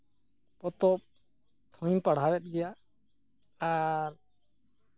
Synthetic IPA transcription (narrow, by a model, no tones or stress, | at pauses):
pɔt̪ɔp̚ | t̪ʰɔ̃j̃paɽ̤awɛt̪̚ˀɡɛja | aɾ